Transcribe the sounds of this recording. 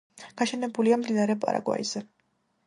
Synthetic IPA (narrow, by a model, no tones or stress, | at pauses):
ɡ̥aʃɛnɛbuliamd̪inaɾɛpʼa̰ɾa̰ɡwa̰iz̥ɛ